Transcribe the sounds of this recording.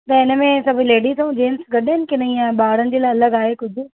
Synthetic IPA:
t̪ẽɪnə̃mẽːsəbileːɖiːsũːd͡ʒeːnsɡəɖeːnkɪnəijãːbaːɽənd͡ʒeːlaːələɡaːeːkʊd͡ʒʱ

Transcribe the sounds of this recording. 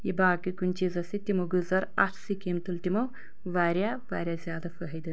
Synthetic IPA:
jibaːkɨkunʲt͡ʃizɐsit̪imɐɡɨzɐɾɐ̰ʈʰsikimt̪ɨlt̪imɐw | ʋaːɾʲja | ʋaːɾʲjazʲjaːd̪ɐfɐɦɐjd̪ɨn

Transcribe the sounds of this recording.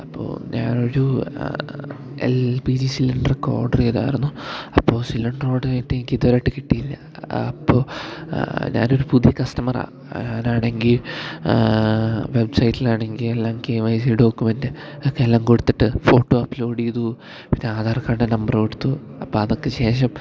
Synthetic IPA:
ɐpːo̰ːɲa̰ːno̞ɾu | ḛlpid͡ʑisilɐɳɖreko̞̰ːrɖɐriɐða̰ːjiɾunːuɐpːo̞ːsilɐɳɖro̞ːɽɨetːenikʲːiðoɾaʈːɨkiʈːijilːɐ̰ː | pːo̞ː | ɲa̰ːno̞ɾupuðijɐkɐstɐmɐra̰ː | ɲaːnaːɳe̞ŋɡil | ʋe̞bsɐjitːilaːɳe̞ŋɡilelːaːmkeːʋɐjs̬iɖo̞ːkːumendɨɐkːelːaːmkoɽut̪ːiʈːɨfo̞ːʈːoɐpːlo̞ːɽijðu | pinːeaːd̪ʱaːrkːaːɾuɳenɐmbɐrkoɽut̪ːuɐpːoːɐðokːeɕe̞ːʂ̬ɐm

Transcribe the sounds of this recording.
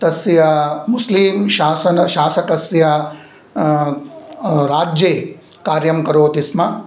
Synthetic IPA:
t̪ɐsjɐmusliːmʃaːsɐnɐʃaːsɐkɐsjɐ | ɾaːd͡ʒjeː | kaːɾjɐmkɐɾoːt̪ismɐ

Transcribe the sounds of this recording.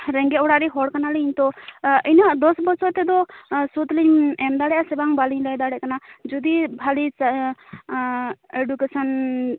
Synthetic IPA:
ɾɛŋɡɛɔɽaɾiɦɔɽkanalɛiɲt̪ɔinaʔd̪ɔsbɔsɔt̪ɛd̪ɔsut̪liɲɛmd̪aɽɛjʔasɛbaŋbaliɲlajd̪aɽɛʔkanad͡ʒɔd̪ibʱalit͡ʃ | eɖukesɔn

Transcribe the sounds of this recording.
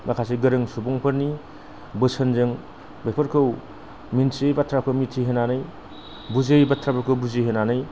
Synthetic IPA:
makʰas̬iɡɐɾɯŋsubɔŋpʰɐɾni | bɯsɐnzɯŋ | bepʰɐɾkʰɯw | minsejbatʰɾakʰɯmitʰːiɦenanɯj | buzejbatʰɾapɐkʰɯwbuziɦenanɯj

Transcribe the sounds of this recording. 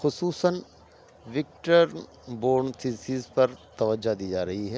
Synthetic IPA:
xʊsuːsən | ʋɪk̚ʈəɾ | boːɾnt̪ʰisiːzpɐɾt̪ɐʋəd͡ʒːad̪iːd͡ʒaːɾɐɦiɦɛː

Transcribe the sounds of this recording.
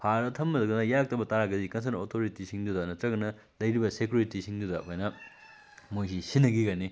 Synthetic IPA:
pʰaɾɐtʰɐmːɐdɐɡɐnɐjak̚tɐbɐtaɾaɡɐzikɐns̬ɐnotʰoɾitisiŋdudɐnɐtɾɐɡɐnɐ | lɐjɾibɐsekjuɾitisʰiŋdudɐpʰojnɐ | mojsʰisinːɐɡiɡɐni

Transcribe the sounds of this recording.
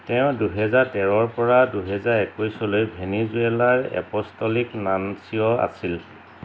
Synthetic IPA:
tɛʊ̃duɦɛzaɹtɛɹɔɹpɔɹaduɦɛzaɹɛkojsɔlojbʱenizuɛlaɹɛ̰pɔstɔliknansiɔa̰sil

